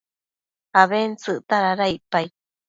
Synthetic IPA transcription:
haβent͡sɨʔt̪aɾaɾaipaj

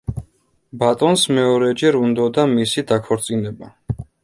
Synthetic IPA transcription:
bat̪ʼɔnsmɛɔɾɛd͡ʒɛɾund̪ɔd̪amisid̪akʰɔɾt̪sʼinɛba

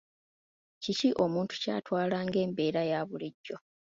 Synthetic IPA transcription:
ciciʔo̞muːntu̥ca̰ːtwaːlaːŋɡe̞ːmbe̞ːɾajaːβuliɟːo̞

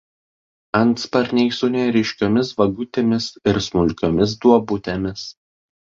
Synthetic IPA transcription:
ɐnt̪spɐɾʲnʲɛɪsʊnʲɛɾʲɪʃʲkʲoːmʲɪsʋɐɡʊt̪ʲemʲɪsɪɾsmʊlʲkʲoːmʲɪs̬d̪uɔbʊt̪ʲemʲɪs

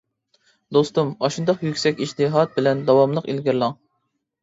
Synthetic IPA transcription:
d̪ost̪umɑʃund̪ɑqjykʲsɛkʲiʃt̪ɨɦɑt̪̚bɪlɛnd̪ɑwɑmlˠəqelɡʲiɾlˠɑŋ

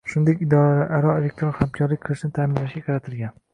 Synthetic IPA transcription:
ʃʊnd̪ekʲɪd̪ɒɾalaʔaɾɒelʲek̚ʲt̪ɾonhamkʰɒɾlɪk̚ʲqʰɨlˠɪʃɪnɪt̪ʰamɪnlaʃɡʲaqʰɑɾat̪ʰɪlɡʲan

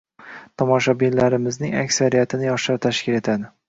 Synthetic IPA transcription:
t̪ʰɒmɒʃɒbilːaɾɪmɪznɪŋa̰kʲsaɾijat̪ʰɪnɪjɒʃaɾt̪ʰaʃkʲɪle̞t̪ʰad̪ɪ

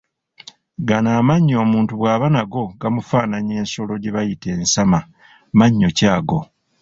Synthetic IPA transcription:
ɡanaːmaɲːo̞ːmuːntuβwaːβanaɡo̞ɡamufaːnaɲe̞ːnso̞lo̞ɟeβajite̞ːnsama | maɲːo̞caːɡo̞

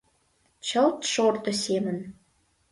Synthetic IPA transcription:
t͡ɕə̆lt̪ʃort̪ŏsemə̆n

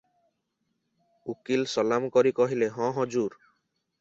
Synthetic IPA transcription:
ukilsɔlamkɔɾikɔɦileɦɔ̃ɦɔd͡ʒuɾ

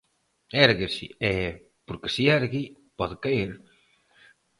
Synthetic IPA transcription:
ɛɾɣesḭɛ | poɾkɪ̥siɛɾɣi | pɔðɪkaiɾ

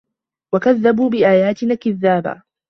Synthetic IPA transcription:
wakaðːabuːbɪʔaːjaːt̪ɪnaːkɪðːaːba̰ː

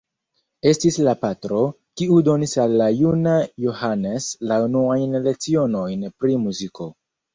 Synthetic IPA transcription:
e̞stislapatɾo̞ | kiudo̞nisalːajunajohane̞slaunuajnle̞k̚t͡sio̞no̞jnpɾimuziko̞

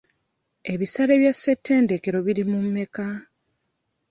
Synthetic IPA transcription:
e̞βisaɾe̞βjasːe̞tʰːe̞ːnde̞keɾo̞βiɾimumːe̞ka

